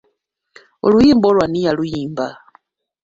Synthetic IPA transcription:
o̰lujimbɔlwanijalujiːmba

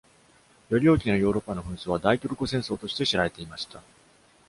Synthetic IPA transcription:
jo̞ɾʲio̞ːkʲino̞jo̞ːɾo̞pːano̞ɸɯ̟̃ɰ̃soːβad̪aikʲoɾɯ̟kosẽ̞ɰ̃so̞ːt̪o̞ɕi̥t̪e̞ɕiɾaɾe̞t̪e̞imaɕi̥t̪a

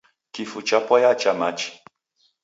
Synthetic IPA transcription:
kifut͡ʃapɔjat͡ʃamat͡ʃi̥

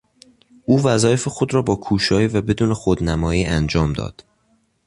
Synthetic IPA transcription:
uːvæzɒːjefexo̞d̪ɾɒːbɒːkʰuːʃɒːjiːvæbe̞d̪uːnexod̪næmɒːjiːʔænd͡ʒɒːmd̪ɒ̰ːd̪̥

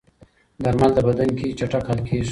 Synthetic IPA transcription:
d̪aɾmald̪əbad̪ankit͡ʃaʈakhalkʰeʃ

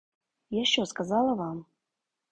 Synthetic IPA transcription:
jaɕoskazɑlˠəvɑm

